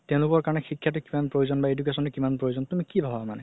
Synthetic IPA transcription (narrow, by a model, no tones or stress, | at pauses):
tɛ̃ʊ̃lʊkɔɹkaɹɔnɛxikʰːjat̬ʊkimanpɹojuzɔnbaedukesɔntʊkimanpɹojuzɔntumikibʱabʱaamanɛ